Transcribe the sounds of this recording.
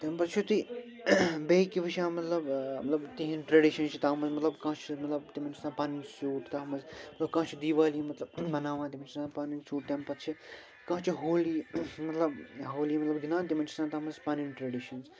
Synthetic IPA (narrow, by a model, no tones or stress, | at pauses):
t̪empɐt̪t͡ʃʰut̪i | bejkiʋiʃʰãːmɐt̪lɐbmɐt̪lɐbt̪iɦĩnʈɾɐɖiʃɐnt͡ʃʰit̪aːmɐzmɐt̪lɐbkãːt͡ʃʰimɐt̪lɐbt̪imɐnt͡ʃʰi̥sãːpaːninsuːʈt̪aːɦmɐzmɐt̪lɐbkãːt͡ʃʰid̪iːʋaːlimɐt̪lɐbbɐnaːʋãːt̪imɐnt͡ʃʰisãːpaːninsuːʈt̪ʲempɐt̪t͡ʃʰi | kãːt͡ʃʰiɦoːlimɐt̪lɐbɦoːlimɐt̪lɐbɡinãːnt̪̬imɐnt͡ʃʰisãːt̪aːmɐzpaːninʈɾeːɖiʃɐnz